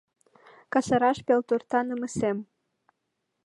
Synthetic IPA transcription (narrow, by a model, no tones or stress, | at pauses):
kɑsəɾɑʃpelt̪urt̪ɑnəməsem